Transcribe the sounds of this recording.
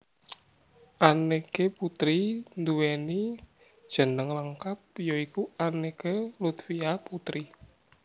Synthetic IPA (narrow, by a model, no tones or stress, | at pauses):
ʔanekeput̪ɾind̪uweni | d̥ʒ̥ə̤nəŋləŋkap̚joikuanekelut̪fiaput̪ɾi